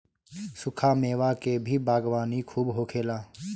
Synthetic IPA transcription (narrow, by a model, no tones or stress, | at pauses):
sʊkʰaːmeːʋaːkeːbʱiːbaːɡʋaːniːkʰuːbɦoːkʰeːlaː